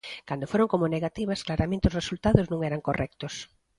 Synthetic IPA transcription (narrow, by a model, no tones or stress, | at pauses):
kand̪ofoɾoŋkomoneɣat̪iβɐsklaɾamẽnt̪eɪozresult̪aðʊznũŋɛɾaŋkorɛk̚t̪os